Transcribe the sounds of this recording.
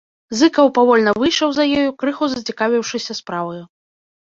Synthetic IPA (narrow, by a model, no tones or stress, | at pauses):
zɨkɐwpavɔlʲnɐvɨjʂɐwzɐjɔjukɾɨxuzɐt͡sʲikavʲiwʂɨsʲɐspɾavɐju